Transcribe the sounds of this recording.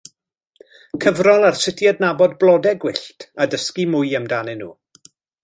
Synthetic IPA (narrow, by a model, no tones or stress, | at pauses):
kʰəvrɔlˠarsɪtʰjadnabɔdblˠɔdɛɡwɪɬtʰadəskimʊjəmdanɪnṵː